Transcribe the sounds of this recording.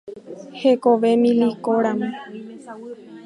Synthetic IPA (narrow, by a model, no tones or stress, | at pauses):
he̞koʋe̞mĩlikoɾamẽ